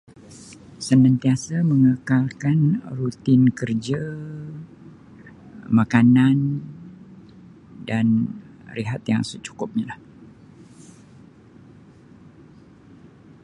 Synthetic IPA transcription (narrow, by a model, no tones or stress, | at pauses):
sənãnt̪iasaməŋəkalkanrut̪ɪnkərd͡ʒa | makanan | dan | riɦat̪ja̰ŋsət͡ʃu̥kʊp̚ɲilah